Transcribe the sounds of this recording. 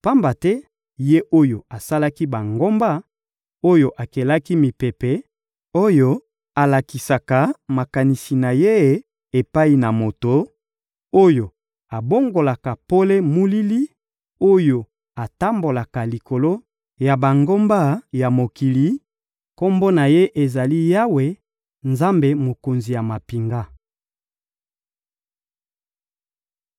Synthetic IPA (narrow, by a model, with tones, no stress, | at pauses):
pa˦mba˨tɛ˦ | je˦ʔo˦jo˨a˨sa˦la˦ki˦ba˨ŋɡo˦mba˦ | o˦jo˨ʔa˨ke˨la˦ki˦mi˨pe˨pe˨ | o˦jo˦ | a˨la˨ki˨sa˨ka˨ma˨ka˨ni˨si˨na˨je˦ | e˨pa˦i˨na˨mo˨to˨ | o˦jo˨ | a˨bo˦ŋɡo˨la˨ka˨po˦le˦mu˦li˦li˦ | o˦jo˨ | a˨ta˦mbo˨la˨ka˨li˨ko˨lo˦ | ja˨ba˨ŋɡo˦mba˦ja˨mo˨ki˨li˨ | ko˦mbo˦na˨je˦ʔe˨za˨li˦ja˦we˨ | nza˦mbe˨mo˨ko˨nzi˨ja˨ma˨pi˨ŋɡa˦